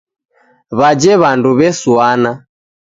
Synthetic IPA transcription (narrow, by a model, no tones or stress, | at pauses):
βad͡ʒɛβanduβɛsuana